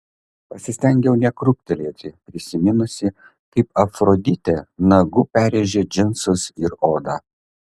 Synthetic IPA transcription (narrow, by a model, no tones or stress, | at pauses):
pɐsʲɪsʲt̪ʲɛŋʲɡʲɛʊnʲɛkɾʊk̚ʲt̪ʲɛlʲeːt̪ʲɪpʲɾʲɪsʲɪmʲɪnʊsʲɪ | kɐɪpɐfɾod̪ʲɪt̪ʲenɐɡʊpʲæːɾʲeːʒʲeːd͡ʒʲɪnsʊsɪɾoːd̪ɑː